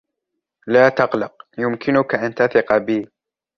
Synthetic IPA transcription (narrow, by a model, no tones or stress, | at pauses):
laːt̪ɑqlɑq̚jʊmkʰɪnʊkaʔant̪aθɪqɑbiː